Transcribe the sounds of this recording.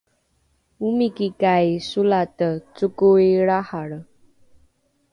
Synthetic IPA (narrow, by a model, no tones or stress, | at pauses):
umikikajsulatət͡sukuiɭahaɽə